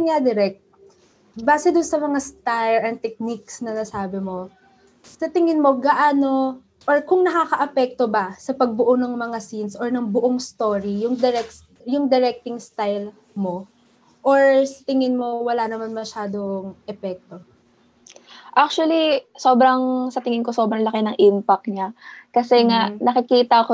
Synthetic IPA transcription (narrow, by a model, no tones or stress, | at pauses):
ad̪ɛɾɛk̚t̪̚ | baːsɛd̪ʊnsɐmɐŋast̪ajɹɐn̚t̪ɛk̚niksnɐnɐsaːbɪmo̞ | sɐt̪ɪŋɪnmo̞ɡɐʔaːno̞ | ʔoɹkʊŋnɐkakɐʔɐpɛk̚t̪o̞bɐsɐpɐɡ̚bʊʔonɐŋmɐŋasinsoɹnɐŋbʊʔoŋst̪o̞ːɾijʊŋd̪ɛɾɛk | jʊŋd̪ɛɾɛk̚t̪ɪŋst̪ajl | mo̞ | ʔoɹsɐ̥t̪ɪŋɪnmo̞wɐlanɐmanmɐʃaːd̪o̞ŋʔɛpɛk̚t̪o̞ | ʔak̚t͡ʃuɐliso̞ːbɾɐŋsɐt̪ɪŋɪnkoso̞ːbɾɐŋlɐkɪnɐŋʔimpɐk̚ɲakɐsɛŋaʔnɐkɪkiːt̪ɐɐko